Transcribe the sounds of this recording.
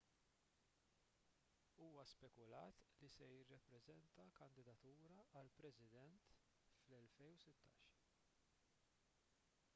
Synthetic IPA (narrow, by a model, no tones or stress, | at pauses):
uːwɐspɛkʊlɐ̰ːt̪lisɛjɪrːɐpːɾɛzɛnt̪ɐkɐnd̪ɪd̪ɐt̪uːɾɐɐlpɾɛzɪd̪ɛnt̪ | flɛlfɛjusɪt̪ːɐ̰ːʃ